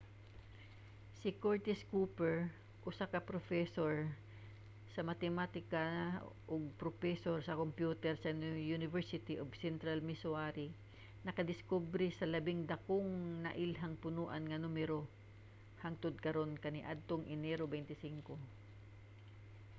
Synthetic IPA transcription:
sɪkoɹt̪ɪskuːpɛɹ | ʔʊsakɐpɾofɛsoɹ | sɐmɐt̪ɛmat̪ɪkaʔoɡ̚pɾofɛsoɹsɐkompjuːt̪ɛɾsɐnjunɪvɛɹsɪt̪ɪʔobsɛnt̪ɾɐlmɪsʊaɾi | nɐkɐd̪ɪskubɾɪsɐlɐbɪŋd̪ɐkoŋnɐ̰ʔɪlɦaŋpʊnuːʔɐnŋɐnumɛɾo | haŋt̪ʊd̪̚kɐɾo̞nkɐnɪʔad̪̚t̪oŋʔɪnɛɾobɛjnt̪ɪsiŋko

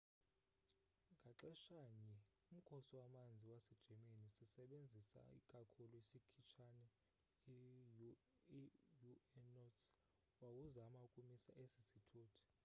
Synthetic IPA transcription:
ŋɡʱaǁɛʃaɲɛ | um̩kʰɔsiwamand͡zʱiwasɛd̥ʒ̥ʱemenisisɛɓend͡zʱisa̰ḭkʼakʰuluisikʰit͡ʃʰanɛ | ijuɛnɔts | wawuzamaukʼumisa̰ʔesi̥sitʰuːtʰi̥

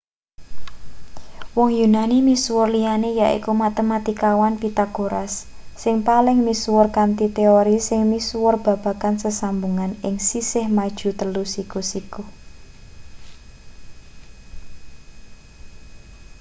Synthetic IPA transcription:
wɔŋjunanimiswʊrlijanejaʔḭkumat̪emat̪ikawanpit̪aɡ̥oɾasː | ɪŋpalɪŋmiswʊrkant̪it̪eoɾisɪŋmiswʊrb̥a̤b̥a̤kansəsambuŋanɪŋsisɪhmad̥ʒ̥ṳt̪əlusikusiku

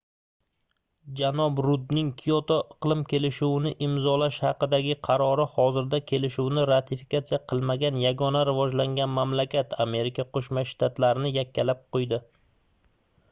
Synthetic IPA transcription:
d͡ʒanɒbɾʊd̪nɪŋkʲʰijot̪oʔɪqlˠɪmkʲʰe̞lɪʃuwnɪʔɪmzɒlaʃhɑqɨd̪aɡʲɪqʰɑɾɒɾɪhɒzɪɾd̪akʲʰe̞lɪʃuwnɪɾat̪ʰɪfi̥kat̪sijaqʰɨlˠmaɡʲanjaɡɒnaɾɪvɒd͡ʒlaŋɡʲanmamlakʲat̪ʰame̞ɾɪkʲʰaqʰoʃmaʃt̪ʰat̪laɾɪnɪjakʲʰːalap̚qʰojd̪ɪ

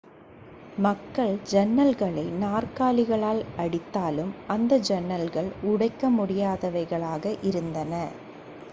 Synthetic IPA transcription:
mɐkːɐɭd͡ʒɛnːɐlɣɐɭɐɪnaːrkaːlɪɣɐɭaːlɐɽɪt̪ːaːlɯmʔɐnd̪ɐd͡ʒɛnːɐlɣɐɭʊɽɐɪkːɐmʊɽɪjaːðɐʋɐɪɣɐɭaːɣɐʔɪɾɯnd̪ɐnɐ

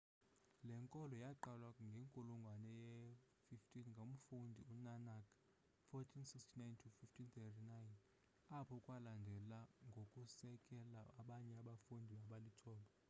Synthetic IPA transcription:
lɛŋkʼɔlɔjaǃalwaŋɡʱeŋkʼuluŋɡʱwanɛjɛ | fiftʰʼinŋɡʱom̩fundʱiunanakʰʼ | fɔtʰinsikstʰinajntʰufiftʰint̪ʰɛtʰinajn | apʰɔkʼwalandʱɛlaŋɡʱokʼusɛkʼɛlaaɓaɲɛaɓafundʱiaɓalitʰɔːɓa

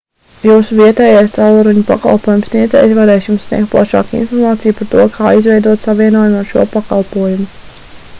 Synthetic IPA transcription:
juːsuviɛt̪ɛːjajst̪alˠuɾuɲupa̰ka̰lˠpuɔjumsniɛd̪zɛ̰ːjsʋaɾɛːsʲimsʲnʲiɛk̚t̪̚plˠa̰ʃɑ̰ːkḭnfɔɾmaːt̪sijupaɾt̪uɔkʰaːizvɛjd̪uɔt̪saʋiɛnuɔjumaɾʃṵɔpakalˠpuɔjumu

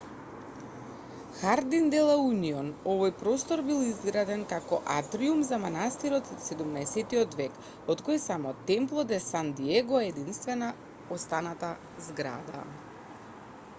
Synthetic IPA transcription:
xaɾd̪ind̪ɛlˠauniɔnɔvojpɾɔst̪ɔɾbilˠizɡɾad̪ɛnkakɔʔat̪ɾiumzamanast̪iɾɔt̪sɛd̪umnɛːsɛt̪iɔt̪vɛk | ɔt̪kojsamɔt̪ɛmplˠɔd̪ɛsand̪iɛɡɔɛd̪inst̪vɛna | ost̪anat̪a | zɡɾa̰d̪a̰

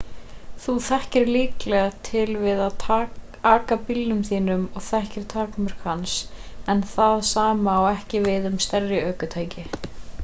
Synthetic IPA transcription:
θuθɛhcɪɾliːklɛɣat̪ʰɪlvɪðaðʰ | aːkapɪlːʏmθiːnʏmɔɣθɛhcɪɾ̥t̪ʰaːkmʏɾ̥khansɛnθaðsaːmaːwɛhcɪvɪðʏmst̪ɛrːɪœːkʏt̪ʰaːjcɪ

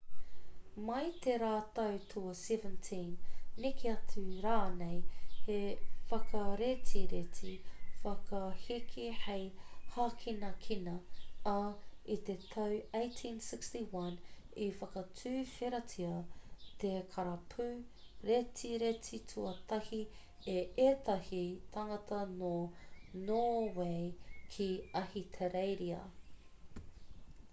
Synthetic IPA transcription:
mɐjt̪eɾaːt̪ɐwtʰoɐsɛvə̃ntʰĩnːekʰeɐtʰʉɾaːnejhefɐkɐɾetʰiɾetʰifɐkɐhikʰihejhaːkʰinɐkʰinɐɐit̪et̪ʰɐwejtʰĩnsɪkstiwɐn | ifɐkɐt͡sʰʉːfeɾɐtʰiɐt̪ekʰɐɾɐpʰʉ | ɾetʰiɾetʰitʰuɐt̪ɐhi | eet̪ɐhit̪ʰaŋɐt̪ʰɐnonoːwejkʰiɐhit̪ʰeɾejɾiɐ̰

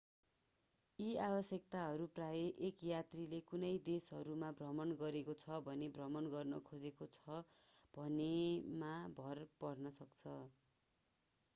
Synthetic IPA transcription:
iabʌsjʌk̚t̪aɦʌɾupraeʔekjat̪rilekunʌjd̪esɦʌɾumabrʌmʌnɡʌɾekot͡sʰʌbʱʌnebrʌmʌnɡʌrnʌ̰kʰod͡zekot͡sʰʌb̥ʱʌnemabʱʌrpʌrnʌsʌkt͡sʰʌ

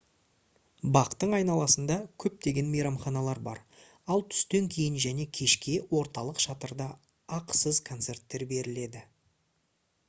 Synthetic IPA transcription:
bɑqt̪əɴɑjnɑlˠɑsənd̪ɑkʲʰɵp̚t̪e̞ɡʲe̞nmejɾɑmχɑnɑlˠɑɾbɑ̰ɾ | ɑlˠt̪ʰʏ̥st̪e̞ŋkʲʰe̞jɪnʒæne̞kʲʰe̞ʃkʲe̞wo̞ɾt̪ɑlˠəqʃɑt̪əɾd̪ɑː | qə̥səzkʰo̞nt̪se̞rt̪ːe̞ɾbe̞ɾɪle̞d̪ɪ

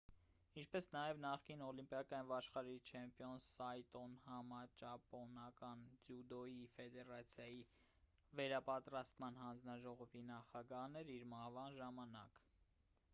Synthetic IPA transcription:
int͡ʃʰpɛsnɑjɛvnɑχkinɔlimpjɑkɑjnvɑʃχɑɾit͡ʃʰɛmpijɔnsɑjt̪ɔnhɑmɑt͡ʃɑpɔnɑkɑnd͡zjud̪ɔjifɛd̪ɛɾɑt͡sʰjɑji | vɛɾɑpɑt̪ɾɑst̪mɑnhɑnd͡znɑʒɔʁɔvinɑχɑɡɑhnɛɾiɾmɑhvɑnʒɑmɑnɑ̰k

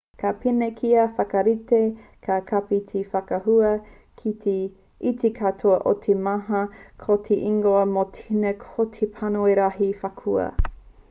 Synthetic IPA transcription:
kʰapinekʰiɐfɐkɐɾitekʰakʰapit̪ʰifɐkɐɦuɐ | kʰi | it̪ʰekʰatʰoɐʔot̪ʰemaɦɐkʰot̪ʰeʔiŋɡoɐmot̪ʰinekʰotʰepʰanoeɾaɦifakʰuɐ̰

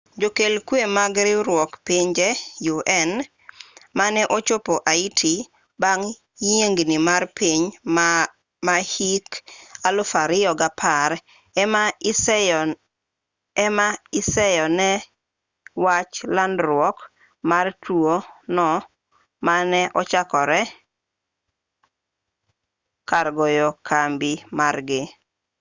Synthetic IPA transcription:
d͡ʒokelkwemaɡɾɪɾwɔkpiɲd͡ʒɛjuʔɛn | manɛʔot͡ʃopoʔaitʰi | baŋ | jeŋɡnimarpiɲ | mahikalʊfaɾɪɔɡapʰaɾ | ms | maɪsɛjɔnɛ | wat͡ʃlandɾʊwɔk | martʰuonɔ | manɛʔɔt͡ʃakɔɾɛ | kaɾɡojokʰambɪmarɡɪ

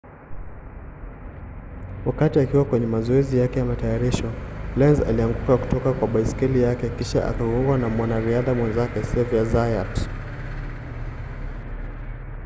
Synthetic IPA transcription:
wakatiakiwakwɛɲɛmazɔɛzijakɛjamatajaɾiʃɔlɛnza̰liaŋɡukaku̥tɔkakwaɓaiskɛlijakɛkiʃa̰ʔa̰kaɡuŋɡwanamwanaɾiaðamwɛnzakɛsɛviazajat

